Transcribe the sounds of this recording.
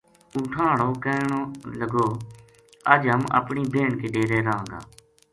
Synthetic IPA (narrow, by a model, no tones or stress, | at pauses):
uːʈʰãːɦɽuːkəːɳoːləɡoː | əd͡ʒɦəmə̰pɳiːbʱeːɳkeːɖeːɾeːɾəãːŋɡa̰ː